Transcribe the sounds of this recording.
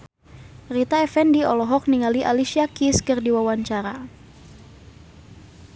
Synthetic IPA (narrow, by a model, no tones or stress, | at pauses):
rit̪aɛfɛndiɔlɔɦɔk̚niŋaliʔalisiakiskɨrdiwawaɲt͡ʃaɾa